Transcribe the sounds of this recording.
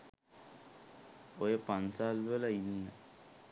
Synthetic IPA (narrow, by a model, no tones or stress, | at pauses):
ojəpansaːlʋələinːə